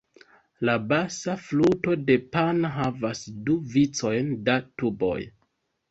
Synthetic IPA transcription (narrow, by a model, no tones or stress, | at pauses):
labasafluto̞de̞panɦavasduvit͡so̞jndatubo̞̰j